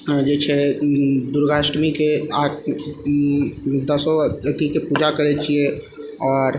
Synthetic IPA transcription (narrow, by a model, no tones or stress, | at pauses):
d͡ʒɛːt͡ʃʰe | d̪ʊɾɡaːʃɾmikeaːk | d̪əsɔɐt̪ikepuːd͡ʒakɐɾet͡ʃʰie | ɔːɾ